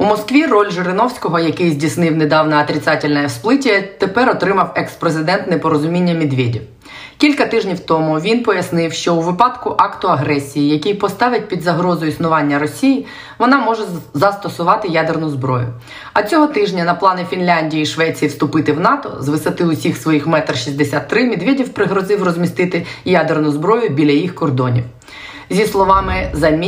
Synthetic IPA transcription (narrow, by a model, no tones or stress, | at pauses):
umɔskʋʲirɔlʲʒɪɾɪnɔwsʲkɔɦɔjɐkɪjzʲdʲisnɪwned̪ɑwnɐɐt̪ɾʲɪt̪sɑtʲɪlʲnɐjɛwsplˠɪtʲːɐt̪epɛrɔt̪ɾɪmɐwɛkspɾezɪd̪ɛnt̪nepɔɾɔzʊmʲinʲːɐmʲid̪ʋʲedʲi | kʲilʲkɐt̪ɪʒnʲiwt̪ɔmʊʋʲinpɔjɐsnɪwʃt͡ʃɔuʋɪpɑd̪kʊʔɑkt̪ʊɐɦɾɛsʲijijɐkʲɪjpɔst̪ɑʋɪt̚ʲpʲid̪zɐɦɾɔzɔjisnʊʋɑnʲːɐɾɔsʲiji | ʋɔnɑmɔʒɛzɐst̪ɔsʊʋɑt̪ɪjad̪ernʊzbɾɔ̰jʊ̰ | ɐt͡sʲɔɦɔt̪ɪʒnʲɐnɐplˠɑnɛfʲinlʲanʲdʲijːʃʋɛt͡sʲijiwst̪ʊpɪt̪ɪwnɑt̪ɔ̰zʋɪsɐt̪ɪʊsʲixsʋɔjixmɛt̪rʃizʲd̪esʲat̪ːɾɪmʲid̪ʋʲedʲiwpɾɪɦɾɔzɪwrɔzʲmʲist̪ɪt̪ɪjad̪ernʊzbɾɔjʊbʲilʲɐjixkɔrd̪ɔnʲḭw | zʲislˠɔʋɑmɪzɐmʲ